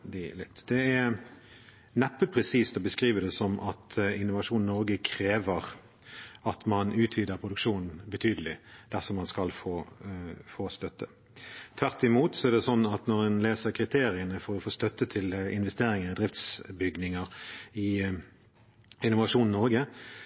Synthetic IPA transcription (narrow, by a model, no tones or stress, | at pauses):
lɪt̪ːd̪̥ɛæ | nɛpːəpʰʁɛsiːst̪ɔbəskʁiːʋəd̪ɛsɔmʔɑt̪ɪnːʊʋɑʂuːn̩nɔʁɡəkʰɾeːʋəʁ | ɑt̪mɑnʉːt̪ʰʋiːd̪əʁpʰʁʊd̪ʉkʂuːnn̩bət̪ʰyːd̪əlɪd̪̥æʁsɔmɑnskɑlfoː | foːst̪œt̪ːə | t̪ʰʋæʁt̪ːɪmuːt̪sɔæʁd̪ɛsɔnːɑt̪nɔʁɛnleːsəʁkʰʁɪt̪ʰeːʁɪənəfɔʁɔfoːst̪œt̪ːət̪ʰɪlɪ̰nʋɛst̪eːɾɪŋəʁɪd̪ʁɪft̪sbʏɡnɪŋəʁɪ | ɪnʊʋɑʂuːnn̩nɔʁɡə